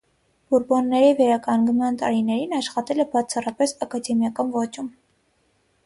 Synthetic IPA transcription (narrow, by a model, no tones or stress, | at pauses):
b̥uɾbɔnːɛɾivɛɾɑkɑŋɡmɑnt̪ɑɾinɛɾinɑʃχɑt̪ɛlɛbɑt͡sʰɑrɑpɛsɑkɑd̪ɛmjɑkɑnvɔt͡ʃum